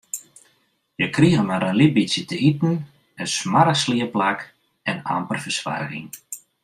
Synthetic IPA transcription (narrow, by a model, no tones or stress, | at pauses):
jəkriəɣəmaɾənlibisjətəitn̩ | əsmaɾəsliəplak | ɛna̰mpərfərsʋa̰rɣɪ̰ŋ